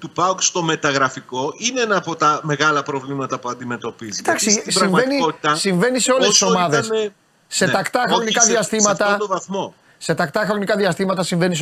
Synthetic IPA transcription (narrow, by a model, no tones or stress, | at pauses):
t̪upɐkst̪o̞me̞t̪ɐɣɾɐfiko̞ʔineenɐːpot̪ɐme̞ɣɐlɐpɾo̞vlimɐt̪ɐpuɐnd̪ime̞t̪o̞pizit̪ɐksisɾɐiɱveniot̪it̪ɐsiɱve̞niseo̞lesiso̞mɐðese | se̞t̪ɐkt̪ɐxɾo̞nikɐðiɐst̪imɐt̪ɐt̪ovɐθmo | se̞t̪ɐkt̪ɐxɾo̞nikɐðiɐst̪imɐt̪ɐsiɱve̞nis